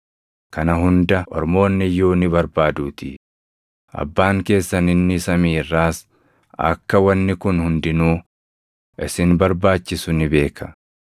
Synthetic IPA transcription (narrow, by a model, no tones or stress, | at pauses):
kɐnɐɦʊnd̪ɐʔɔ̰ɾmo̞ːnːɪjoːnɪbɐɾbaːd̪uːt̪ɪ̰ | ʔɐ̰bːaːŋke̞ːsːɐnɪnːɪsɐmiːrːaːs | ɐ̰kːɐwɐnːɪkʊnhʊnd̪ɪnuː | ɪsɪnbɐɾbaːt͡ʃːɪsʊnɪbe̞ːkʰɐ̥